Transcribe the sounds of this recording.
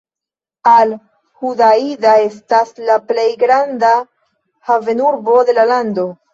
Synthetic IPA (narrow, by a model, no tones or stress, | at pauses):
al | hudaidae̞staslaple̞jɡɾanda | have̞nuɾbo̞de̞lalando̞